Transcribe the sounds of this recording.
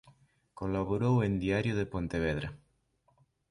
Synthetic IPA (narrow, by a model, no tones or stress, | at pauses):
kolaβoɾowend̪iaɾjoðepont̪eβ̞eðɾa